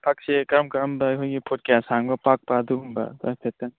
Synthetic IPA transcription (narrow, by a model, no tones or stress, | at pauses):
pʰak̚sekɾmkaɾɐmbɐːkʰojɡipʰot̚kɛsaŋbɐpak̚pɐːduumbɐ̰dɔpʰet̚ːan